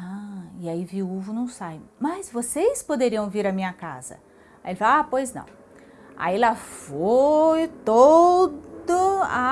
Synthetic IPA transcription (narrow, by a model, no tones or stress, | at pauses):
aɪaiviuvʊnɐ̃w̃sajmɐzvosejspod̪eɾiɐ̃w̃viɾɐmĩɲɐka̰zɐ̰ | aelɪfaapojznɐ̰̃w̃ | a̰ilafojt̪odd̪ʊa